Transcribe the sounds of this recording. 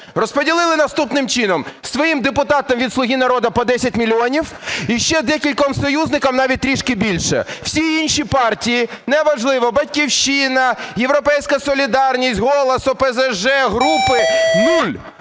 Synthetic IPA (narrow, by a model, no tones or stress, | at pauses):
rɔspɔdʲilˠɪlˠɪnɐst̪upnɪmt͡ʃinɔmsʋɔjimd̪epʊt̪ɑt̪ɐmʋʲid̪slˠʊɦʲinɐɾɔd̪ɐpɔd̪ɛsʲɐtʲmʲilʲiɔnʲiw | iʃt͡ʃɛd̪ɛkʲilʲkɔmsɔjuznɪkɐmnɑʋʲit̚t̪ːɾʲiʃkɪbʲilʲʃɛ̰w̥sʲiinʃipɑrtʲijinɛʋɐʒlˠɪʋɔbɐt̚ʲkʲiwʃɪnɐjewɾɔpɛjsʲkɐsɔlʲid̪ɑrnʲisʲtʲɦɔlˠɐsʊpezeʒɛɦɾupɪnulʲ